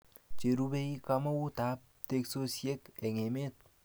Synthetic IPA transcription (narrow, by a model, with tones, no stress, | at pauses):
t͡ʃe˨ɾu˦be˦i˦kama˦wu˦t̪a˨p̚ | t̪e˦ksosie˦ke˨ŋe˨me˦t̪̚